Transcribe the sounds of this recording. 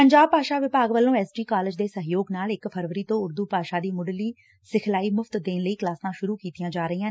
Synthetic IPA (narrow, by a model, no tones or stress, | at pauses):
pəɲd͡ʒaːbpaːʃaːʋɪpaːɡʋəlːõːɛːsʈiːkaːlɪd͡ʒd̪eːsəɦjoːɡnaːlɪkpʰəɾʋəɾiːt̪õːʊɾd̪uːpaːʃaːd̪iːmʊɖliː | sɪkʰlaːiːmʊfʰt̪d̪eːnləiːklaːsãːʃʊɾuːkiːt̪ijãːd͡ʒaːɾəiːãː